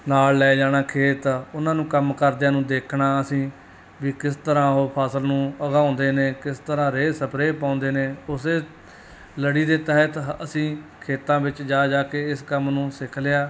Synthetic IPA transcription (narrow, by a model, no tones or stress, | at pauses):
naːlːɛːd͡ʒaːɽ̃aːkʰeːt̪ʊnãːnũːkəmkəɾd̪aːnũːd̪eːkʰɳaːəsĩː | ʋiːkɪst̪əɾãːɦoːpʰaːsəlnũːəɡaːʊnd̪eːneːkɪst̪əɾãːɾeːsəpʰɾeːpãːʊnd̪eːneːʊseː | ləɽiːd̪eːt̪əɦət̪əsĩːkʰeːt̪ãːbɪt͡ʃd͡ʒaːd͡ʒaːkeːɪskəmnũːsɪkʰleaː